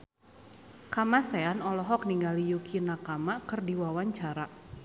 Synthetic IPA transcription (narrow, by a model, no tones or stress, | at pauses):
kamaseanɔlɔɦɔk̚niŋɡalijukʰinakamakɨrdiwawaɲt͡ʃaɾa